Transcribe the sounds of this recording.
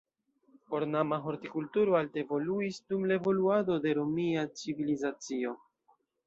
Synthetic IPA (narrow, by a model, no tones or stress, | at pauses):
po̞ɾnamaɦo̞ɾtikultuɾoaltevo̞luisdumlaevo̞luado̞de̞ɾo̞miat͡sivilizat͡sio̞